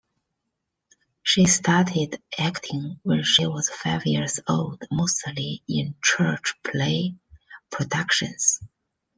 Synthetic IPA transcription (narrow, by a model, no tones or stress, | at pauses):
ʃistʰɑɹtɪdʔæktʰɪ̃ŋwɛnʃiwʌz̥faɪvjɪɹzoʊlˠdmoʊsəliɪ̃nt͡ʃʰɜ˞t͡ʃpʰleɪpʰɹ̥ɨdʌkʃɨ̰̃nz̥